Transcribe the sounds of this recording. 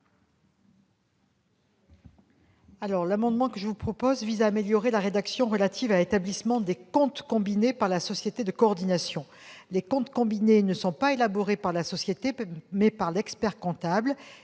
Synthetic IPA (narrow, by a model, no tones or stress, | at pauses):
alɔʁlamɑ̃d̪mɑ̃kəʒəvupχɔpɔzvizaːmeljɔʁelaʁed̪aksjɔ̃ʁəlat̪ʰivalet̪ablismɑ̃d̪ekɔ̃t̪kɔ̃binepaʁlasɔsjet̪ed̪əkɔɔʁd̪inasjɔ̃ | lekɔ̃t̪kɔ̃binenəsɔ̃paelabɔʁepaʁlasɔsjet̪emɛpaʁlɛkspɛʁkɔ̃t̪abl